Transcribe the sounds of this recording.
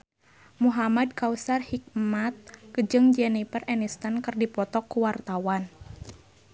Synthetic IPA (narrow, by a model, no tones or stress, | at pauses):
muɦamad̚kausarhik̚mat̪̚kəd͡ʒɨŋd͡ʒɛnipərɛnist̪ankɨrdipɔt̪ɔkːuwart̪awan